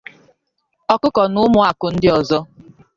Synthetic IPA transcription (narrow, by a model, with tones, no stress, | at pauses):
ɔ˨kʊ˦kɔ˨nʊ˦mʊ˦a˨kʊ˨n̩˦dɪ˦ɔ˨zɔ˦